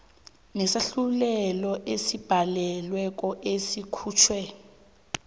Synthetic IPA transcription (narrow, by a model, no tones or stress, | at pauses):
nɛsaɬulɛlɔʔesib̥ʱalɛlwɛk̬ʼɔʔesikʰuːt͡ʃʰwɛ